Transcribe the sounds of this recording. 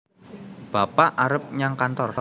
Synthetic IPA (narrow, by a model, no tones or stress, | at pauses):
b̥a̤paʔaɾəp̚ɲaŋkant̪ɔr